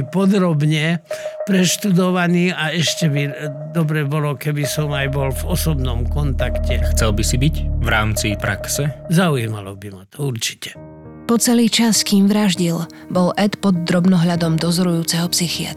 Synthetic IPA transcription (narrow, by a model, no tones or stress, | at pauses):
pɔd̪ɾɔbɲɛpɾɛʃt̪ud̪ɔʋaniːaɛʃcɛbi | d̪ɔbɾɛbɔlɔkɛbisɔmajbɔlvɔsɔbnɔmkɔnt̪akcɛxt͡sɛlbisibicvɾaːmt͡sipɾa̰ksɛzaujima̰lɔ̰bimat̪ɔuɾt͡ʃi̥cɛ̥ | pɔt͡sɛliːt͡ʃaskiːmʋɾaʒɟil | bɔlʔɛt̪pɔd̪ːɾɔbnɔɦʎad̪ɔmd̪ɔzɔɾujuːt͡sɛɦɔpsixia̰t̪